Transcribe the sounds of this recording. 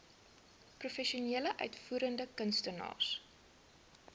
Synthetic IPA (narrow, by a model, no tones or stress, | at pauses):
prufɛʃuniələʔœ̰ɥtfuːɾəndəkənstənɑ̰ːrs